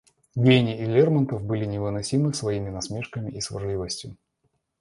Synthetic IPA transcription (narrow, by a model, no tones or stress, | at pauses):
ɡʲenʲɪɪlʲermənt̪əfbɨlʲɪnʲɪvɨnɐsʲimɨsvɐimʲɪnɐsmʲe̞ʂkəmʲɪʔisvʲɨ̰rlʲivəsʲtʲjʊ